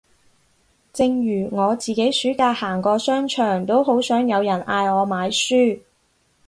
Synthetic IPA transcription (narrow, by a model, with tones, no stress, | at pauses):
t͡sɪ˧ŋjyː˨˩ŋɔː˨˧t͡siː˨˩ke˨˥jsyː˨˥kaː˧jhaː˨˩ŋkɔː˧sœː˥ŋt͡ʃʰœː˨˩ŋt̪o˥who˨˥wsœː˨˥ŋjɐ˨˧wjɐ˨˩nʔaː˧jɔː˨˧maː˨˧jsyː˥